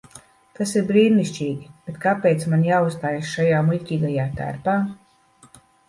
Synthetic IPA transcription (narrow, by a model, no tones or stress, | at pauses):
t̪asiɾbɾiːɾniʃt͡ʃiːɡʲib̥et̪kapeːt̪smanjaːust̪aːjasʃajaːmulʲcʲiːɡajaːt̪æ̰ɾpaː